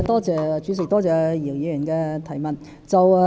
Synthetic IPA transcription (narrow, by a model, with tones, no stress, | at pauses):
t̪ɔː˥t͡sɛː˨t͡ʃy˨˧˥sɪ˨k̚t̪ɔː˥t͡sɛː˨˧jiː˨˩wjiː˨˧˥jy˨˩nkɛ˧t̪ʰɐ˨˩jmɐ˨˩n | t͡sɐ˨w